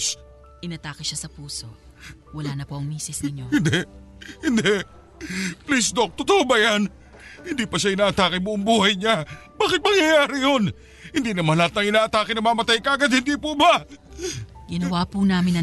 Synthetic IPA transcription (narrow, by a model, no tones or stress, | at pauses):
s | ʔɪnɐt̪aːkɪʃasɐpuːsowɐlaːnɐpoʔɐŋmiːsɪsnɪɲohɪnd̪ɛhɪnd̪ɛ | plisd̪ok̚t̪ʊt̪oʔobɐjan | hɪnd̪iːpɐʃaʔɪnaːʔɐt̪aːkɪmoʔɐŋbuːhɐjɲab̥aːkɪt̪̚mɐŋjɐjaːɾɪjon | hɪnd̪iːnɐmɐhɐlhat̪nɐŋɪnaːʔɐt̪aːkɪnɐmamɐt̪ajkaːɡɐd̪̚hɪnd̪iːpubɐ | ɡɪnɐwaːpunaːmɪnɐ